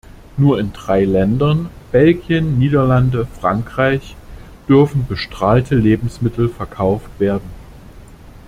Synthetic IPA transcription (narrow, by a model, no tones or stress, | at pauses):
nuːɐɪndʁaɪlɛndɐnb̥ɛlɡjənːiːdɐlandəfʁ̥aŋkʁ̥aɪç | d̥ʏɐfn̩bəʃtʁ̥aːltʰəleːbm̩smɪtl̩fɛɐkʰaʊftv̥eːɐdn̩